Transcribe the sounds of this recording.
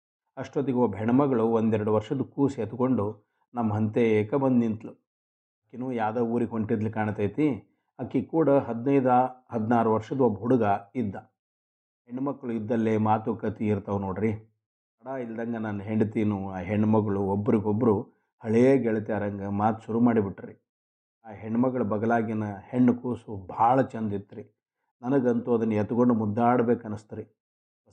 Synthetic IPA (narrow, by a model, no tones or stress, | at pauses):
ɐʂʈod̪iɡuʋɐbʱɛɳɐmɐɡɐɭuʋond̪ɛɾɐɽuʋɐɾʂɐd̪ukuːset̪uko̞ɳɖu | nɐmːɐɦɐnt̪eːkɐbɐnd̪int̪lu | akːinuːjaːd̪ɐuːɾiɦoɳʈid̪ɐlikaːɳɐt̪ɐjt̪i | akːikuːɽɐɦɐd̪nɐjd̪ahɐd̪naːɾuʋɐɾʂɐd̪uɐbɦuɽuɡɐid̪ːɐ | ɦeɳːumɐkːɐɭuid̪ːɐlːeːmaːt̪ukɐt̪iːɾt̪ɐʋnoːɽɾi | ɐɽaːilɐd̪ɐŋɡɐnanːuɦeɳɖt̪iːnuaːɦeɳːumɐɡɐɭuobːɐɾiɡobːɐɾu | hɐɭijeːɡɛɭɐt̪aːɾɐŋɡɐmaːt̪u̥ʃuɾumaːɽibiʈːɐɾi | aːɦeɳːumɐɡɐɭubɐɡɐlaːɡjɐnɐheɳːukuːsubʱaːɭɐt͡ʃɐnd̪it̪ːɐɾi | nɐnɐɡɐnt̪uɐd̪ɐnːɐjet̪uɡoɳɖumud̪ːaːɽɐbe̞ːkɐnːɐst̪ɐɾi